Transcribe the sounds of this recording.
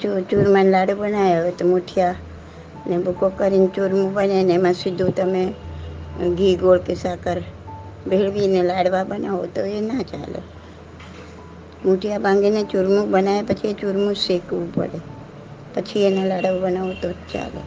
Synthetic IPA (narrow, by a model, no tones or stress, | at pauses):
t͡ʃot͡ʃuɾmanlaɽobənaeot̪omuʈʰija | nebʱukokəɾint͡ʃuɾmũbənenemãsɪd̪ʱːũt̪əme | ɡiɡoɭkesakəɾ | bʱeɭʋinelaɽʋabənaʋot̪oenat͡ʃa̰lḛ | muʈʰijabãŋɡinet͡ʃuɾmũbənaepət͡ʃʰiet͡ʃuɾmũsekʋũpə̰ɽe | pət͡ʃʰienalaɽʋobənaʋot̪ot͡ʃa̰lḛ